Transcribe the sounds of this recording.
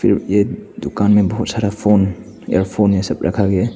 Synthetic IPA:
pʰilmed̪ukanmebɔɦut̪̚saɾapʰon | ḛɾpʰonesɐp̚ɾʔa̰kʰaɡe

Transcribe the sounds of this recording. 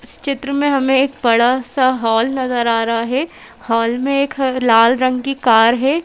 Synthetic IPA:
ɪst͡ʃɪt̪ɾəmẽɦɐmẽeːk̚bɐɽasaɦɔːlnɐzəɾaːɾɐɦaɦɛ | hɔːlmẽeːklaːlɾɐ̃ŋɡkikaːɾɦɛː

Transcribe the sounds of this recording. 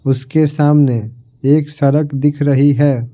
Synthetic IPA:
ʊskesaːmne | eːksɐɾəkd̪ɪkʰɾɐɦiɦɛː

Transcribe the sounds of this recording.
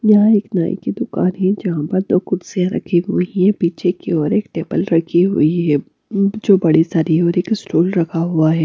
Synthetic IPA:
jɐɦãeːkna̰ːḭkid̪ʊkaːnɦɛ̃d͡ʒɐɦãpɐɾd̪oːkʊɾsiãɾɐ̰kʰiɦʊiɦɛbiːt͡ʃekeɔːɾeːkʈeːbəlɾɐkʰiɦʊ̰iɦɛː | d͡ʒoːbɐɽisaːɾiɦɛɔːɾeːkɪsʈuːlɾɐkʰaɦuaɦɛː

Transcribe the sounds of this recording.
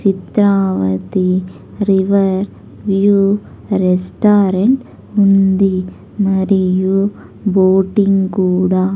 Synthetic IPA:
t͡ʃɪt̪ɾaːʋɐt̪i | ɾɪʋɐɾ | ʋju | ɾɛsʈaːɾɐɳʈ | ʊnd̪i | mɐɾɪju | boːʈːɪŋkuːɽaː

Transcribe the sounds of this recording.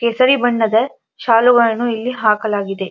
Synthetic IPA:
keːsɐɾibɐɳːɐd̪ɐ | ʃaːluɡɐɭɐnuilːiɦaːkɐlaːɡid̪e̞

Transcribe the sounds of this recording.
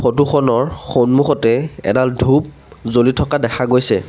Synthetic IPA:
xotuxɔnɔɹxonmuxɔtɛɛ̰daldʱup̚ | zolitʰɔkadɛxʰaɡojsɛ̰

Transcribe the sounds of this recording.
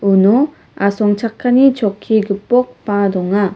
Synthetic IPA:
unɔ | asɔŋt͡ʃʰakʰːanit͡ʃɔkʰːiɡɯpːɔk̚pad̪ɔŋa

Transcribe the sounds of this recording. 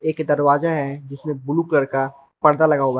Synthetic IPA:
eːkd̪ɐɾwaːzaɦɛd͡ʒɪsmẽbʊluklɐɾka | pɐɽd̪alɐɡaɦowa

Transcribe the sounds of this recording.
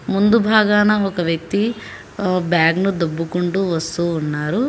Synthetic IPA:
mund̪ubʱaːɡaːnɐɔkɐʋjɐk̚t̪i | bjaːɡnud̪obːukuɳʈuʋɐst̪uːnːaːɾu

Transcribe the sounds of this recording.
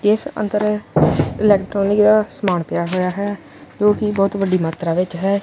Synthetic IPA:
ɪsə̰nt̪əɾ | ɪlɛːkʈɾoːnɪkd̪aːsəmaːɳpɪjaːɦoːjaːɦɛː | d͡ʒoːkɪbɔːt̪ʋəɖiːmaːt̪ɾaːʋɪt͡ʃɦɛː

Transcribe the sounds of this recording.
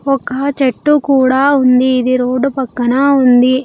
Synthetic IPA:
ɔkɐt͡ʃɐʈːukuːɽaːund̪iːd̪iɾoːɖupɐkːɐnɐund̪i

